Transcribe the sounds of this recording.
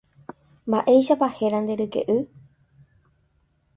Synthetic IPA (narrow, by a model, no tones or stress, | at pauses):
mbaʔe̞jʃapahe̞ɾand̪e̞ɾɨke̞̰ʔɨ